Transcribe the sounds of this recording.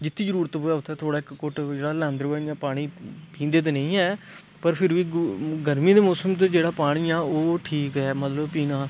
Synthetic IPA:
d͡ʒɪt̪ʰːiːd͡ʒəɾuːɾət̪boːaːʊt̪ɛːt̪ʰoːɽaːɪkːʊʈd͡ʒeːɽaːlɛ̃ːnd̪ɾoːɛjãːpaːɽ̃iːpʰĩːnd̪eːt̪̬enə̃ĩːɛː | pəɾpʰɪɾʋiːɡəɾmiːd̪eːmoːsəmt̪̬ed͡ʒeːɽaːpaːɽ̃iːaːoːʈʰiːkɦɛːmət̪ləbpiːnaː

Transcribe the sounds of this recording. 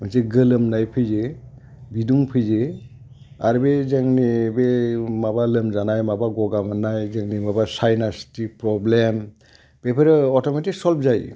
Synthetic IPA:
mɯnseɡɯlɯmnajpʰɯjze | biduŋpʰɯjze | aɾbezaŋnebemabalɯmzanajmabaɡɔɡamanajzaŋnimabasajnastipɾɔblem | b̥epʰeɾɯɔtɔmetiksɔlpʰzaj

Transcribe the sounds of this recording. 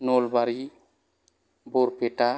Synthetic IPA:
nolbaɾi | boɾpeʈa

